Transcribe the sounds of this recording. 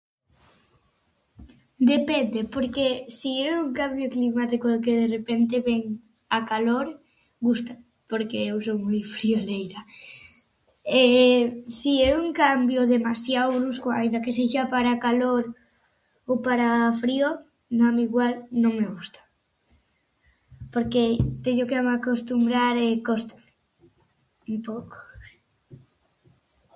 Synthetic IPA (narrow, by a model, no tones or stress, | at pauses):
d̪epend̪epoɾkesieuŋkambjoklimat̪ikokeð̞erepent̪eβɛŋ | akaloɾ | ɡust̪a | poɾkeewsowmojfɾiolejɾa | esiɛuŋkambjoðemasjaoβɾuskoa̰ind̪akes̬eʃapaɾakaloɾ | owpaɾafɾio | namiɣwalnõŋmeɣust̪ḁ | poɾket̪eɲokeamakost̪umbɾaɾekost̪ḁm | umpowko̥